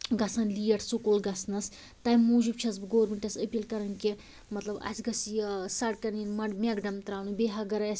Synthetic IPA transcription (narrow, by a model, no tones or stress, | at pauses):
ɡɐsaːnliːjɐʈʰsukoːlɡɐsnɐs | t̪ɐjmuːd͡ʒub̚t͡ʃʰɐsbɨɡoːɾmeɳʈɐsəpʲiːlkɐɾɐnke | mɐt̪lɐbɐ̰sʲɡɐsijsɐɽ̚kɐɾninmɐmeɡɖɐmt̪ɾaːnubeɦaɡɐɾas